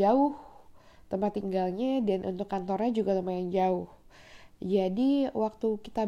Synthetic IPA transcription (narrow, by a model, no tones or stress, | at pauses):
aʊht̪əmpat̪iŋɡalɲadanʔṵnt̪ʊkːant̪ɔrɲad͡ʒuɡat̪əmpajaŋd͡ʒaʊh | d͡ʒadiwak̚t̪ukit̪a